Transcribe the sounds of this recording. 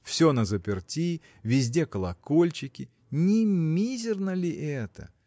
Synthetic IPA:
fsʲo̞nəzəpʲɪrtʲi | vʲɪzʲdʲe̞kəlˠɐko̞lʲt͡ɕɪkʲɪ | nʲɪmʲizʲɪrnəlʲɪʔɛt̪ə̰

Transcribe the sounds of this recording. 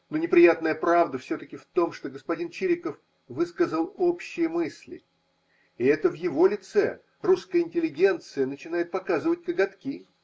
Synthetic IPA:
nonʲɪpɾʲɪjat̪nəjəpɾavd̪əfsʲot̪əkʲɪft̪o̞mʂt̪o̞ɡəspɐdʲint͡ɕiɾʲɪkəf | vɨskəzəlˠo̞pɕːɪjəmɨsʲlʲɪ̰ | ɪɛt̪əvjɪvo̞lʲɪt̪sɛ | ruskəjəɪnʲtʲɪlʲɪɡʲe̞nt̪sɨjənət͡ɕɪn̪ajɪt̪̚pɐkazɨvət̚ʲkəɡɐt̪kʲi

